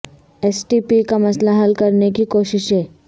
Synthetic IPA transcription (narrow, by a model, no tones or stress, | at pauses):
ɛsʈipikamɐslaɦɐlkɐɾnekikoːʃɪʃɦɛː